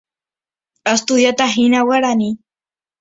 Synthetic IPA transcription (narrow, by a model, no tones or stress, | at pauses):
ast̪ʊðjat̪aɦinawaɾani